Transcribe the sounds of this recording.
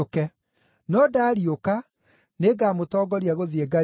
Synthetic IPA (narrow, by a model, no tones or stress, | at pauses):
okɛ | nɔdaːɾioka | neɡaːmotɔːɡɔɾiaɣoðieɡa